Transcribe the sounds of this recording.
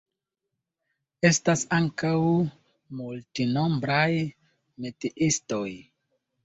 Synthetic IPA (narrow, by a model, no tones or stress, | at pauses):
e̞stasaŋkaw | multino̞mbɾaj | metiʔisto̞j